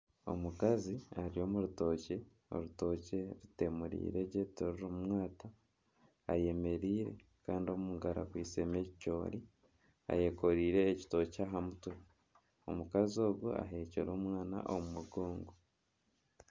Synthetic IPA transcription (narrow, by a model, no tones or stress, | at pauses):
o̞̰mukaziaɾio̞ːmuɾuto̞ːce | o̞̰ɾuto̞ce̞ɾite̞muɾḭːɾe̞ɾɟeitoɾuɾomumwaːtaː | je̞me̞ɾiːɾe̞̰ | kaːndio̞muŋɡaɾa̰kwiːseme̞ːcicoːɾi | a̰je̞ko̞ɾiːɾe̞ːci̥to̞caːɦamutwe | o̞mukazio̞ːɡua̰ɦe̞ːcoɾo̞ːmwaːna̰ʔomumuɡoːŋɡo